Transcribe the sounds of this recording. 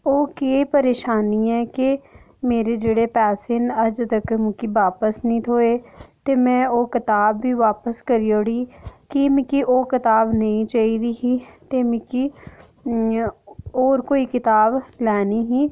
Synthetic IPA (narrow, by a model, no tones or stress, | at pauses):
oːkeːipəɾeːʃaːniːɛːke | meːɾeːd͡ʒeːɽeːpɛːseːnəd͡ʒt̪əkmʊ̃kibaːpəsnĩːt̪ʰoːeːt̪eːmɛ̃ːoːkɪt̪aːbːiːʋaːpəskəɾiːoːɽiːkimɪ̃kiʔoːkɪt̪aːbnəĩt͡ʃaːiːd̪iːɦiːt̪eːmɪ̃kiː | oːɾkoːiːkɪt̪aːblɛːniːɦiː